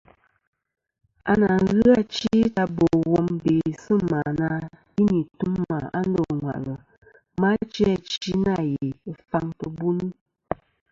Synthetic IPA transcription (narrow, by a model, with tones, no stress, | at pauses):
a˦na˨ɣɨ˦a˦t͡ʃi˦ta˦bo˨wɔ˨mbe˨sə˦ma˨na˦ | i˦ni˨tu˦mːa˨a˦n̩˦dɔ˦˨ŋwa̰˨ʔlə˨ | ma˦t͡ʃi˦a˨t͡ʃi˦na˦˨je˨fa˦ŋtə˨bu˦ni˦